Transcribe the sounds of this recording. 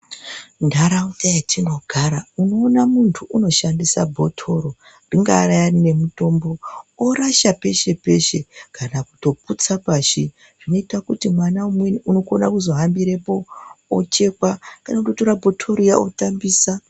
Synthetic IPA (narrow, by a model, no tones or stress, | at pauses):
ndaɾautajatʰino̞ɡʱaɾauno̞ːnamuntʰuʔuno̞ʃandisa̰bʱo̞tʰo̞ɾo̞ | nriŋɡaːɾajanine̞muto̞mbo̞oɾaʃape̞ʃe̞pe̞ʃe̞kanaku̥to̞put͡sapaːʃi | ʐ̥ino̞itakutimwanaumwenuno̞ko̞na̰kuzo̞ɦambiɾe̞po̞ːt͡ʃe̞kwakanakutotoɾabʱo̞tʰo̞ɾojao̰tambiːsa